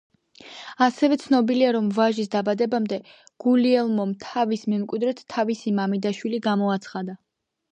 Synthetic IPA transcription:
asɛvɛt̪sʰnɔbiliaɾɔmvaʒis̬d̪abad̪ɛbamd̪ɛ | ɡ̥uliɛlˠmɔmt̪ʰavismɛmkʼwid̪ɾɛt̪ʰːavisimamid̪aʃwiliɡamɔat̪sʰχad̪a

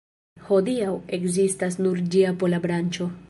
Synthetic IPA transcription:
ho̞diawe̞kzistasnuɾd͡ʒiapo̞labɾant͡ʃo̞

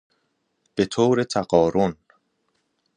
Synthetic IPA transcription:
b̥et̪ʰoːɾe̞t̪ʰæɢɒːɾon

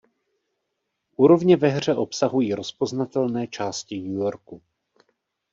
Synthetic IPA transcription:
ʔuːɾo̞vɲɛvɛɦr̝ɛʔo̞psaɦujiɾo̞spo̞znat̪ɛlnɛːt͡ʃaːscɪɲujoɾku

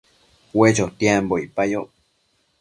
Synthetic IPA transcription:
wet͡ʃot̪jamboipajo

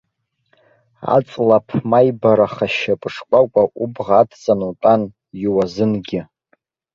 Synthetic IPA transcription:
a̰t͡sʼlapʰmajbaɾaχaʃapʼɨʂkʷʼakʷʼaʔubʁaːtʰt͡sʼanutʼan | jiwazɨnɡʲɪ

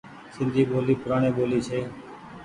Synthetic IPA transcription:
sɪnd̪ʱiːboːliːpʊɾaːɳeːboːliːt͡ʃʰeː

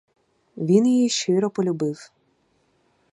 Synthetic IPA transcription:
ʋʲinjijiʃt͡ʃɪɾɔpɔlʲʊbɪw

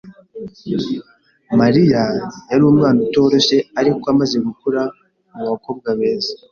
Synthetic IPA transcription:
maɾijajaɾuumŋaːnuto̞ːɾo̞ʃe̞aɾikoamaze̞ɡukuɾa | muβako̞ːb̚ɡaβe̞ːza

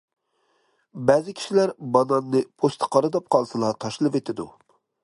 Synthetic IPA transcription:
bɛzɪkʲʰi̥ʃilæɾbɑnɑnːɨpʰost̪ʰɨ̥qʰɑɾɨd̪ɑp̚qʰɑlˠsɨlˠɑt̪ʰɑʃlˠɨvet̪ʰɪd̪u

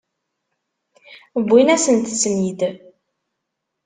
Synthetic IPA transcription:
əbʷːinæsənt̪smid̪

